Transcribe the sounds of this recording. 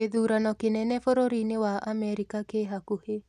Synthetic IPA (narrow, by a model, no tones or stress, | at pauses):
ed̪uɾanɔkenɛnɛfɔɾoɾinewaʔameɾikakeɦakuhe